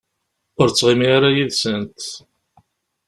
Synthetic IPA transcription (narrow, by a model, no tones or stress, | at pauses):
ʊɾt͡sːʁimiaɾajiðsənt̪